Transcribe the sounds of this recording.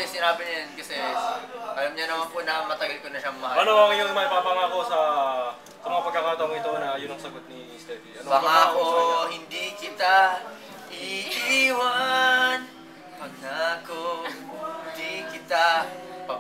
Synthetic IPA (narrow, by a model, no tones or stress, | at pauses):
ɛsɪnaːbɪnɐjɐnkɐsɛ | ʔɐlɐmɲanɐmanpʊʔnɐkɐmɐt̪ɐɡɐlkonɐʃaʔɐmmɐɦaɐnoɐŋjʊŋmapɐpɐŋako̞sɐ | sɐmɐŋapɐɡ̚kːɐkaːt̪ɐwoŋɪt̪onɐjʊnɐŋsɐɡot̪̚ni | st̪ɛviɐpɐŋakoɦɪnd̪ikɪt̪a | ʔɪkiʔiːwan | pɐɡ̚nakohhɪnd̪ikɪt̪apɐ